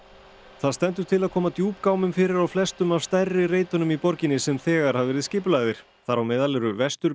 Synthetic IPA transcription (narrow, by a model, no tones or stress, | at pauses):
θaðst̪ɛnt̪ʏɾ̥t̪ʰɪlaðkʰɔːmat̪juːpkawmʏmfɪːɾɪɾawflɛst̪ʏmav̥st̪arːɪreːjt̪ʏnʏmipɔɾcɪnɪsɛmθɛːɣaɾ̥havɛɾɪðscɪplaːɣðɪɾ̥ | θaɾawmɪːðalɛɾʏvɛst̪ʏɾ